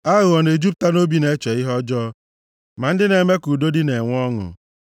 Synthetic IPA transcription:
a˦ɣʊ˨ɔ˨ne˨d͡ʒu˦p̬̚ta˦no˦bi˦ne˦t͡ʃe˨ɪ˦ɦɔ˦d͡ʒɔ˦ | ma˨n̩˦dɪ˦ne˨me˦ku˨do˦dɪ˦ne˨ŋʷ˦ɔ˦ŋʊ̰˨

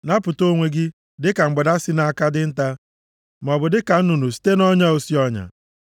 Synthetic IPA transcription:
na˦pʊ˨to˦ŋʷe˨ɡɪ˦ | dɪ˦ka˨ŋ͡m̩˨ɡ͡be˨da˦sɪ˦na˦˨a˦ka˦dɪ˦n̩˦ta˦ | m˨ɔ˨bʊ˨dɪ˦ka˨n̩˦nu˨nu˨si̥˦te˦nɔ˦ɲa˦o˨si˦ɔ˦ɲa̰˨

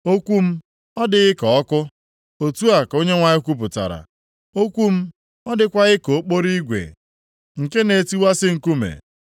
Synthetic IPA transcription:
o˦kʷu˦m̩˦ | ɔ˦dɪ˨ɣɪ˦kɔ˨ɔ˦kʊ˦ | o˨tu˦a˨ko˦ɲe˦ŋʷa˨ɲɪ˦kʷu˦p̬ʊ˨ta̰˨ɾa̰˨ | o˦kʷu˦m̩˦ | ɔ˦dɪ˦kʷa˦ɣɪ˦ko˨˦k͡po˦ɾi˦ɡʷḛ˨ | ŋ̩˨ke˦ne˨ti˦wa˦sɪ˦ŋ̩˨ku˦mḛ˨

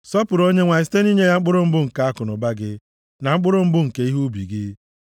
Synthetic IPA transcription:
sɔ˦pʊ˨ɾo˦ɲe˦ŋʷa˨ɪ˨ste˦n˦i˦ɲe˦ja˦ŋ͡m̩˦k͡pʊ˦ɾʊ˦m̩˦bʊ˦ŋ̩˨ka˨˦a˦kʊ˨nʊ˨ba˦ɡɪ˦ | na˨ŋ͡m̩˦k͡pʊ˦ɾʊ˦m̩˦bʊ˦ŋ̩˨ke˨i˦ɦu˦bi˨ɡɪ˦

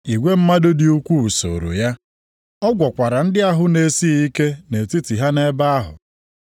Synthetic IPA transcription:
i˨ɡʷe˦m̩˦ma˦do˦dɪ˨u˦kʷu˦u˨so̰˨ɾo̰˨ja˦ | ɔ˦ɡʷɔ˨kʷa˨ɾa˨n̩˦dɪ˦a˦ɦʊ˦ne˨si˦i˦ke˦ne˨ti˦ti˨ɦa˦ne˦ba˦a˦ɦʊ̰˨

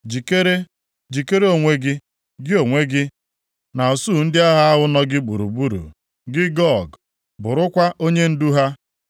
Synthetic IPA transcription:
d͡ʒi˨ke˦ɾe˦ | d͡ʒi˨ke˦ɾe˦o˨ŋʷe˦ɡɪ˦ | ɡɪ˦o˨ŋʷe˦ɡɪ˦ | na˨ɔ˨su˦˨n̩˦dɪ˦a˦ɦa˦a˦ɦʊ˦nɔ˦ɡɪ˦ɡ͡bu˨ɾṵ˨bu˦ɾṵ˨ | ɡɪ˦ɡɔ˦˨ɡ | bʊ˨ɾʊ˦kʷa˦ʔo˦ɲe˦n̩˦du˦ɦa˦

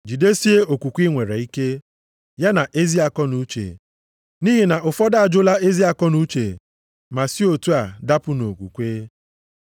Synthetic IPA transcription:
d͡ʒi˨de˦si˦e˦o˨kʷu˨kʷi˦ŋʷe˨ɾḛ˨i˦ke˦ | ja˦na˨ʔe˦zi˦a˨kɔ˦nu˨˦t͡ʃḛ˨ | ni˦ɦi˨na˨ʊ˨fɔ˦da˦a˨d͡ʒʊ˦la˦e˦zi˦a˨kɔ˦nu˦t͡ʃe˨ | ma˨si˦o˨tu˦a˨da˦pʊ˦no˨kʷṵ˨kʷeː˦

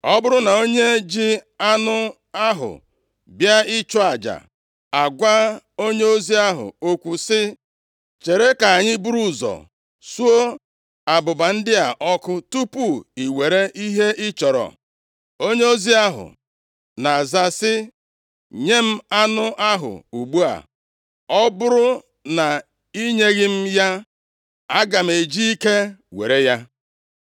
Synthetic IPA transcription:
ɔ˦bʊ˦ɾʊ˦na˨o˦ɲe˦d͡ʒi˦a˦nʊ˦ | a˦ɦʊ̰˨ | bja˦ɪ˦t͡ʃɔ˦a˨d͡ʒa̰˨ | a˨ɡʷa˦o˦ɲe˦o˦zi˦a˦ɦʊ̰˨o˦kʷu˨sɪ˦ | t͡ʃe˨ɾe˦ka˨a˨ɲɪ˦bu˦ɾu˦˨zɔ̰˨ | su˦o˦ | a˨bʊ˨ba˨n̩˦dɪ˦a˨ʔɔ˦kʊ˦tu˦pu˦i˨we˨ɾe˦ʔi˦ɦe˦ɪ˦t͡ʃɔ˨ɾɔ̰˨ | o˦ɲe˦o˦zi˦a˦ɦʊ̰˨ | na˨za˦sɪ˦ | ɲe˦m̩˦a˦nʊ˦ʔa˦ɦʊ̰˨u˨ɡ͡bu˦a̰˨ | ɔ˦bʊ˦ɾʊ˦ | na˨ | i˦ɲe˦ɣɪ˦m̩˦ja˦ | a˦ɡa˨m̩˨e˨d͡ʒi˦i˦ke˦wḛ˨ɾe˦ja˦

